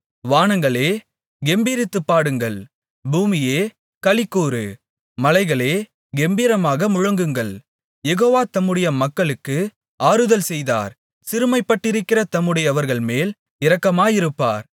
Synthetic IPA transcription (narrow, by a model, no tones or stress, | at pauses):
ʋaːnɐŋɡɐɭeː | ɡɛmbiːɾɪt̪ːɯpːaːɽɯŋɡɐɭ | buːmɪjeː | kɐɭɪkːuːɾɯ̰ | mɐlɐɪɣɐɭeː | ɡɛmbiːɾɐmaːɣɐmʊɻɐŋɡɯŋɡɐɭ | jɛɣoːʋaːt̪ɐmːɯɽɐjɐmɐkːɐɭɯkːɯ | aːɾɯðɐlsɛjða̰ːɾ | sɪɾɯmɐɪpːɐʈːɪɾɯkːɪɾɐt̪ɐmːɯɽɐjɐʋɐɾɣɐɭmeːl | ɪɾɐkːɐmaːjɪɾɯpːa̰ːɾ